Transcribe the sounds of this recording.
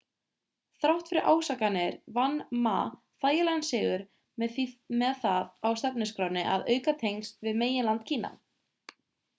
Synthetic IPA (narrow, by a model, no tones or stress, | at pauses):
θɾawht̪fɪɾɪɾʔa̰ːwsakanɪɾvanːma̰ː | θaːjɪlɛɣnsɪːɣʏɾ | mɛðθimɛðθaðawst̪ɛpnɪskɾawɾnɪʔa̰ðœːɥkat̪ʰejnst̪vɪðmeːjɪlant̪̚cʰiːnːa̰